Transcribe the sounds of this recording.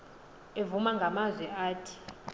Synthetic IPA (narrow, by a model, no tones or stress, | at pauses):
evumaŋɡʱamazwɛaːtʰi̥